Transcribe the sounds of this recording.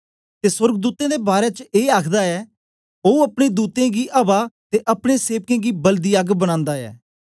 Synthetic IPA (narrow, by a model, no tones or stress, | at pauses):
t̪eːsəɾɡd̪uːt̪ẽːd̪eːbaːɾeːt͡ʃeːaːkʰd̪aːɛː | oːuəpɽeːd̪uːt̪ẽːɡiːʔəbaːt̪eːʔəpɽ̃eːseːʋkẽːɡiːbəld̪iːaɡbəɽ̃ãːnd̪aːɛ̰ː